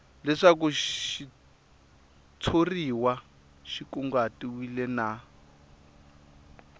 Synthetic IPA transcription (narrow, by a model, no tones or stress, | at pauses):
lɛʂakuʃi | t͡sʰoriwa | ʃikuŋɡatiwilɛna